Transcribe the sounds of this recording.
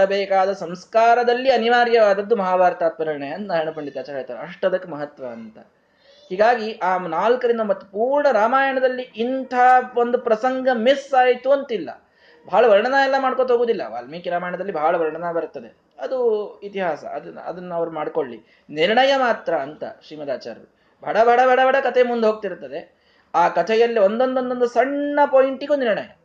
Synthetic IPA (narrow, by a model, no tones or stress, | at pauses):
ɐbɛːkaːd̪ɐsɐmskaːɾɐd̪ɐlːiɐniʋaːɾjɐʋaːd̪ɐd̪ːumɐɦaːbaːɾt̪aːt̪̚ʋɐɾiɳɐjɐɐnt̪ɐɐɐɳɐpɐɳɖit̪ːaːt͡ʃɐlaːjt̪ːaːɾeɐʂʈɐd̪ɐkːumɐɦɐt̪ʋɐːnt̪ɐ | ɦhiːɡaːɡiʔaːnaːlkɐɾind̪ɐmɐt̪ːpuːɾɐɳɐɾaːmaːjɐɳɐd̪ɐlːiʔint̪ʰaːond̪upɾɐsɐŋɡɐmisaːjt̪uɐnt̪ilːɐ̰ | bʱaːɭɐʋɐɾɳɐnɐɛlːɐmaːɽkot̪ɦoːɡoːd̪ilːɐ̰ʋa̰ːlmikiɾaːmaːjɐɳɐd̪ɐlːibʱaːɭɐʋɐɾɳɐnɐbɐɾut̪ːɐd̪e̞ | ɐd̪uit̪iɦaːsɐ̰ɐd̪ɐ̰d̪ɐnːuɐʋɐɾumaːɽko̞ɭːi | niɾɳɐjɐmaːt̪ɾɐːnt̪ɐ̰ʃɾiːmɐd̪aːt͡ʃa̰ːɾɐɾu | bʱɐɽɐbʱɐɽɐbʱɐɽɐbʱɐɽɐkɐt̪ʰemund̪ɦoːɡ̚t̪iɾt̪ːɐd̪e | aːkɐt̪ʰɛjɐlːio̞nd̪o̞nd̪o̞nd̪o̞nd̪usɐɳːɐpoːiɳʈiɡuːniɾɳɐjɐ̰